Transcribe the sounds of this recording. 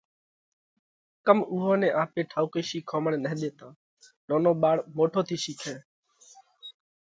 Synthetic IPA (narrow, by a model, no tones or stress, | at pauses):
kəmʊɦoːnẽːʔãːpẽːʈʰaːukeːʃiːkʰoːməɽːnəɦɗ̪eːt̪ãː | noːnõːɓaːɽmoːʈʰoːt̪ʰiːʃiːkʰẽː